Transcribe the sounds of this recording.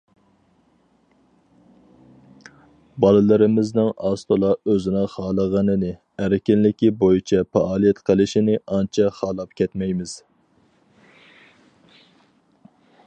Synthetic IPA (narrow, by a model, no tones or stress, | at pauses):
bɑlˠɨlˠɨɾɪmɪznɪŋɑst̪ʰolˠɑøzɪnɪχɑːlˠəʁɑnɨnɪ | æɾɪkʲɪnlɪkʲibojit͡ʃʰɛpɑʔɑːlˠijɛt̪qʰəlˠɪʃinɪɑnt͡ʃʰɛχɑːlˠɑp̚kʲʰɛt̪mɛjmɪz̥